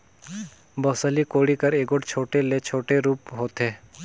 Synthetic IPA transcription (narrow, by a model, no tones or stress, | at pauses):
boːsəlikoːɽikəɾeːɡoʈt͡ʃʰoːʈelet͡ʃʰoːʈeɾuːpɦoːt̪eː